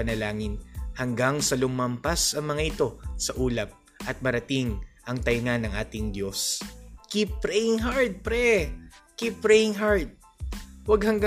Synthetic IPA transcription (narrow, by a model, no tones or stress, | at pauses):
ɐnɐlaːŋɪnhɐŋɡaŋsɐlʊmɐmpasɐŋmɐŋaʔɪt̪o̞sɐʔuːlɐp̚ | ʔɐt̪̚mɐɾɐt̪ɪŋʔɐŋt̪ɐjŋanːɐŋʔaːt̪ɪŋd̪jo̞skip̚ːɾɛjɪŋɦaɹd̪̚pɾɛkipːɾɛjɪŋɦaɹd̪̚ | wɐɡ̚hɐŋɡ